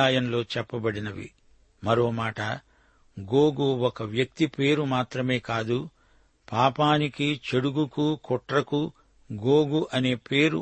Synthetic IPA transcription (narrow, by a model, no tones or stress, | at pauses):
aːjɐmlo̞ːt͡ʃɛpːɐbɐɽinɐʋḭ | mɐɾo̞ːmaːʈɐ | ɡoːɡuɔkɐʋjɐk̚t̪ipe̞ːɾumaːt̪ɾɐme̞ːkaːd̪u | paːpaːnikit͡ʃeɽuɡukukɔʈɾɐku | ɡoːɡuʔɐne̞ːpe̞ːɾṵ